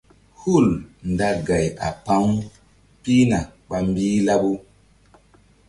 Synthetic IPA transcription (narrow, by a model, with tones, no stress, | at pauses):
hu˦˨lnda˦ɡa˨ja̰˨pa˦ŋ | pi˦na˨ɓa˨mbiː˦la˦ɓu˦